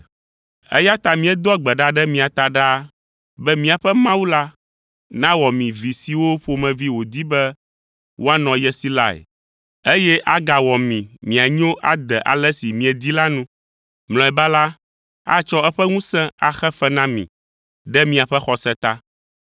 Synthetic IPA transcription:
ɛ̰˦ja˦t̪a˨mĩ˨ɛ˦d̪ɔ˦a˨ɡ͡bɛ˨ɖa˦ɖɛ˦mĩ˨a˨t̪a˦ɖa˦ | bɛ˦mĩ˦a˨ɸɛ˦mã˦wu˦la˦ | nã˦wɔ˨mĩ˨vi˨si˨wo˦ɸo˨mɛ̃˨vi˦wo˨d̪i˦bɛ˦ | wo˦a˦nɔ̃˨jɛ˦si˦la̰˦ḛ˨ | e˦jɛ˦ʔa˦ɡa˨wɔ˨mĩ˨mĩ˨a˨ɲ˦õ˦ʔa˦d̪ɛ˨ʔa̰˨lɛ˦si˨mĩ˨ɛ˨d̪i˦la˦nũ˦ | ml̃ɔ̃˨ɛ˨ba˦la˦ | a̰˦t͡ʃɔ˦ɛ˦ɸɛ˦ŋũ˦sɛ̃˦a˨xɛ˦fɛ˦nã˦mḭ̃˨ | ɖɛ˦mĩ˨a˨ɸɛ˦xɔ˨sɛ˦t̪a˦

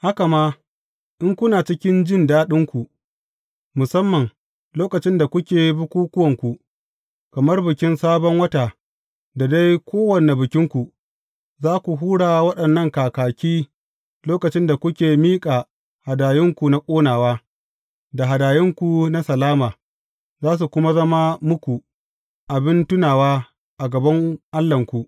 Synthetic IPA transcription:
ha˦ka˨ma˦ | ʔɪ˦ŋkʷʊ˦naː˨t͡ʃɪ˦kʲɪ˦nd͡ʒɪ˦˨ndaː˦ɗɪ˦ŋkʷu˨ʔ | mʊ˨sɐ˦mːɐ˨ŋ | loː˦kɐ˨t͡ʃɪ˦nda˨kʷʊ˦kʲeː˨bʊ˦kʷuː˦kʷʊ˦wɐ˨ŋkʷu˨ | kɐ˨mɐ˦rbɪ˨kʲɪ˦nsaː˦bɔ˦ŋwɐ˦taː˨ | da˨da˦jkʷʰoː˦wɐ˨ne˨bɪ˨kʲɪ˦ŋkʷu˨ | zaː˦kʷu˨ɦuː˦ɽaː˨wɐ˦ɗɐ˨nːɐ˦ŋkaː˨kaː˨kʲiː˦ | loː˦kɐ˨t͡ʃɪ˦nda˨kʷʊ˦kʲeː˨miː˦kʼaː˨ | ha˨daː˨jɪ˦ŋkʷu˨na˦kʷʼoː˦naː˨waː˦ | da˨ɦa˨daː˨jɪ˦ŋkʷu˨na˦sɐ˨laː˦maː˨ | zaː˦s̬u˨kʷʊ˦ma˦zɐ˦ma˦mʊ˦kʷu˨ | ʔa˨bɪ˦ntʊ˦naː˨waː˦ | ʔa˨ɡɐ˨bɐ˦ŋʔa˦lːɐ˨ŋkʷu˨ʔ

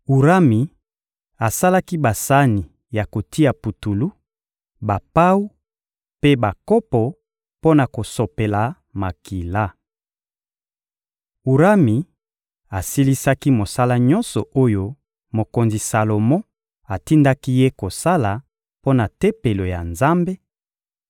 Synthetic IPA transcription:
u˨ʁa˦mi˨ | a˨sa˦la˦ki˦ba˨sa˦ni˨ | ja˨ko˨ti˦a˨pu˨tu˨lu˦ | ba˨pa˦u˦ | pe˦ba˨kɔ˦pɔ˨ | po˦na˨ko˨so˨pe˨la˨ | ma˨ki˨la˦ | u˨ɾa˦mi˨ | a˨si˦li˦sa˦ki˦mo˨sa˦la˦ɲɔ̃˦nsɔ˨ʔo˦jo˦ | mo˨ko˨nzi˨sa˨lo˨mɔ˦ | a˨ti˦nda˦ki˦je˦ko˨sa˦la˨ | po˦na˨te˦pe˨lo˨ja˨nza˦mbe˦

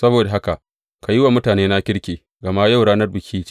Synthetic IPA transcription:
sɐ˦boː˨da˨ɦa˦ka˨ʔ | ka˨jɪ˦wa˨mʊ˦taː˨neː˦na˦kʲɪ˦ɽkʲeː˨ | ɡɐ˨ma˦ja˦˨wɽaː˦nɐ˦rbɪ˨kʲʰiː˦

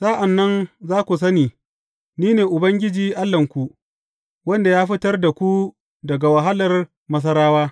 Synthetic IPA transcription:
sa˦ʔa˨nːɐ˦nzaː˦kʷu˨s̬ɐ˦niː˨ | niː˦neː˨ʔʊ˨bɐ˦ŋɡʲɪ˦d͡ʒiː˨ʔa˦lːɐ˨ŋkʷu˨ | wɐ˦nda˨jaː˦ɸɪ˦tɐ˦rda˨kʷu˦ | dɐ˨ɡa˨wa˨ɦa˦lɐ˨r | mɐ˦s̬ɐ˦ɾaː˦waː˦

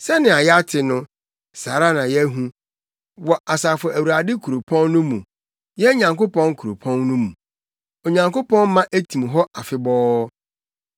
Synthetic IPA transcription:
sɛ˦nɪ̃˨a˨jɛ˦a˦tʰɪ˨nʊ̃˦ | saː˨ɾa˦nã˨jɛ˦ɦũ˦ | wɔ˨a˨saː˨fɔ˨ʔæ˨wu˨ɾa˨dɪ˦kʰu˨ɾo˨pʰɔ̃˦nːʊ̃˦mũ˨ | jɛ˦ɲã˨ŋko˦pɔ̃˦nkʰu˨ɾo˨pʰɔ̃˦nːʊ̃˦mũ˨ | o˨ɲã˨ŋko˦pʰɔ̃˦n˦mã˦ʔæ˦tʰĩ˨mɦɔ˦ʔa˨fɪ˦bɔː˦

